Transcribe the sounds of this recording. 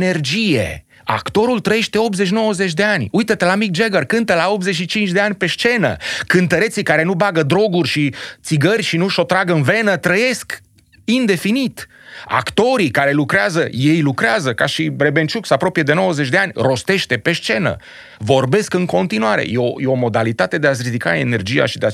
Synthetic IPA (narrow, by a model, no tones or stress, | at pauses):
ne̞rd͡ʒije̞̰ | a̰kt̪o̞ɾult̪ɾəje̞ʃt̪e̞o̞pze̞t͡ʃ̬no̞wəzet͡ʃʲd̪e̞anʲujt̪ət̪elamik̚d͡ʒeɡərkɨnt̪əlao̞p̚zet͡ʃʃit͡ʃint͡ʃd̪e̞anʲpe̞ʃt͡ʃe̞nə̰kɨnt̪əɾet̪sikaɾe̞nubaɡəd̪ɾo̞ɡurʲʃit̪siɡərʲʃinuʃo̞t̪ɾaɡɨnve̞nət̪ɾəje̞sk | ind̪e̞finit̪ | a̰kt̪o̞ɾikaɾe̞lukɾeazəje̞jlukɾeazəkaʃiɾe̞be̞nt͡ʃuksapɾo̞pied̪e̞no̞wəzet͡ʃʲd̪e̞anʲro̞st̪e̞ʃt̪e̞pe̞ʃt͡ʃe̞nə̰ | vo̞rbe̞skɨŋko̞nt̪inuaɾḛjeojeomo̞d̪alit̪at̪e̞d̪eaʃɾid̪ika̰e̞̰ne̞rd͡ʒija̰ʃid̪ea